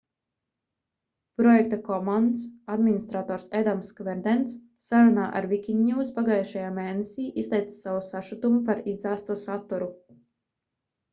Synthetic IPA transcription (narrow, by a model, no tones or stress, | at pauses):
pɾɔjɛk̚t̪akɔmand̪sad̪minist̪ɾat̪ɔːɾsɛd̪amskvɛɾd̪ɛnt̪sː | aɾunaːʔa̰ɾvikʲiɲːuwspaɡajʃajaːmeːnesʲiːʔist̪ʲɛjt̪ssawusaʃut̪umupaɾizd̪aːst̪uɔsat̪ːuɾu